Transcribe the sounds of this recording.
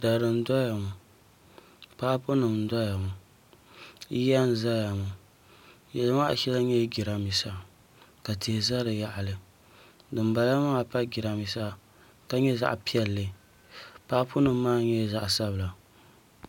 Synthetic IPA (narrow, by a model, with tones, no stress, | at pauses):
da˨dɨ˨n˦dɔ˦ja˨mʊ˨ | paː˦pʊ˦nɨ˨m˦dɔ˦ja˨mʊ˨ | i˦ja˦n˦za˦ja˨mu˨ | jɛ˨la˦ma˦ʔʃɛ˦la˦ɲɛ˦ɡi˨ɾa˨mi˨sa˦˨ | ka˨tʰi˨za˦lɨ˨ja˦ʔa˨lɨ˦ | dɨ˨mba˨la˦ma˦a˨pa˦ɡi˨ɾa˨mi˨sa˦ | ka˦ɲɛ˦za̰˦ʔpi˦ɛ˨lːɨ˨ | paː˦pʊ˦nɨ˨mː˦aː˦ɲɛ˦za˦ʔsa˦bɨ˨la˨